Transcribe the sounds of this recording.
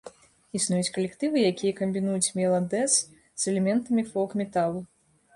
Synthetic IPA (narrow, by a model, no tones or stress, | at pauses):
isnujut͡sʲkɐlʲɛkt̪ɨvɨjakʲijɐkɐmʲbʲinujut͡sʲmʲɛlˠɐd̪ɛs | zɛlʲɛmʲɛnt̪ɐmʲifɔlˠkmʲɛt̪alˠu